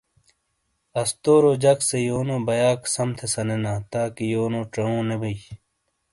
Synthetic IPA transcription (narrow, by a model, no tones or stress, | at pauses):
ɐst̪oːɾoːd͡ʑɐksejoːnõːbɐjaːksɐmt̪ʰesɐnenãːt̪aːkijoːnõːʈɐõːnebɐi